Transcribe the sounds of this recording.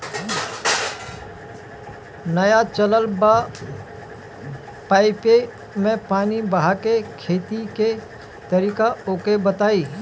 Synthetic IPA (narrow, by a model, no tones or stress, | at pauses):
nɐjat͡ʃələlba | paːɪpe | mẽpaːnibəɦakekʰeːt̪ike | t̪ɐɾiːkaoːkebət̪aːiː